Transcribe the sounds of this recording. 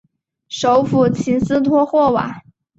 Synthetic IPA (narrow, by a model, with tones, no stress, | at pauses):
ʂo˧˥ʊfu˨˩t͡ɕʰi˧˥nsɹ̩˥t̪ʰwɔ˥xwɔ˥˩wa̰˨˩˦